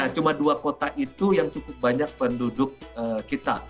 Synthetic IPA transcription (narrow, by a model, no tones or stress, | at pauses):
aht͡ʃumaduakot̪aʔit̪ujaŋt͡ʃukʊp̚baɲak̚pəndudʊk̚əkːit̪a̰